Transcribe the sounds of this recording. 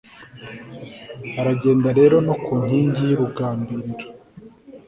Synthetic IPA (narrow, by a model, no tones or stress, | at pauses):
aɾaɟe̞ːndaɾe̞ːɾo̞no̞kuːɲ̥hiːɲɟijiɾuɡaːmbiɾiɾḁ